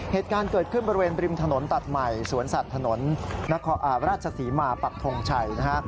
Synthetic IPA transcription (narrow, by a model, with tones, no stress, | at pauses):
heː˨˩t̪̚kaː˧nkɤː˨˩kʰɯ˥˩nbɔ˧ɾi˧weː˧nbɾi˧mt̪ʰa˧no˩˦nt̪a˨˩t̪̚ma˨˩jsuː˨˩˦ənsa˨˩t̪ʰːa˧no˩˦nːa˦˥kʰɔː˧ʔaː˨˩˦ɾaː˥˩t̪̚t͡ɕʰa˧siː˩˦maː˧pa˨˩k̚t̪ʰo˧ŋt͡ɕʰa˧jna˦˥kʰa˦˥